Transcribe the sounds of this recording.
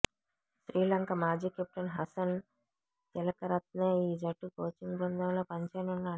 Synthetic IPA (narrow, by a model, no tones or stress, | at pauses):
ʃɾiːlɐŋkɐmaːd͡ʒiːkep̚ʈɐnɦɐsɐn | t̪ilɐkɐɾɐt̪neːiːd͡ʒɐʈːupoːt͡ʃiŋɡbɐnd̪ʱɐmlo̞ːpɐɲt͡ʃɐnunːaː